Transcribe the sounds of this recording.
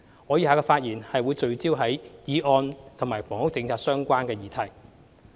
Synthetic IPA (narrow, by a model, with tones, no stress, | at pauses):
ŋɔː˨˧jiː˨˧haː˨˧kɔː˧faː˧t̚jiː˨˩nhɐ˨jwuː˨˧jt͡sɵ˨˧ɥt͡siː˥wɦɐ˨˥jjiː˨˧ʔɔː˧nt̪ʰʊ˨˩ŋmaː˨˩jfɔː˨˩ŋhʊ˨˥t͡sɪ˧ŋt͡sʰaː˧t̚sœː˥ŋkʷaː˥nkɛː˧jiː˨˧t̪ʰɐ˨˩j